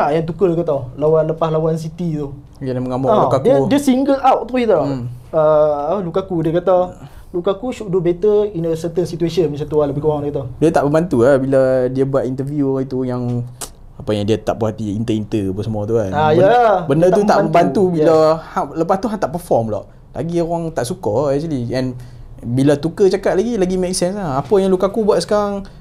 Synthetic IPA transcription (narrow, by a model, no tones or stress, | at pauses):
aʔjaŋt̪ukəlkat̪awlawanləpaslawans̬it̪it̪u | jadaməŋamɔalukakiədiəsiŋɡəlʔawʔt̪uit̪aəlukakudiəkat̪a | lukakusuʔdubet̪əinəsət̪ənsit̪uesənmisant̪ualəbɪhkəwaŋdikat̪̬adiat̪aʔbəmbant̪uabiladiabuaʔ̪int̪əvjuit̪ujaŋ | apajaŋdiat̪a̰ʔpəɦat̪iint̪əint̪əapəsəmat̪uaajəlabəndət̪ut̪aʔbəmbant̪ubilahaləpast̪uɦãnt̪aʔpəfɔmlɔ̰ʔ | lʔa̰ɡioɾaŋt̪aʔsukɔɛk̚t͡ʃuliɛ̃n | bilat̪ukət͡ʃakat̪ʔ̪̚laɡilaɡimɛk̚sɛnslahapəjaŋlukakubuat̪̚sə̥kaɾaŋ